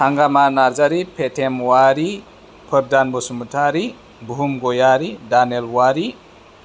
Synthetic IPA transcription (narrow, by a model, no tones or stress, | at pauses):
haŋɡamanaɾd͡ʒaɾipʰetʰemwaɾi | pʰəɾdanbɔsumutʰaɾi | buɦumɡɔjaɾidanelwaɾi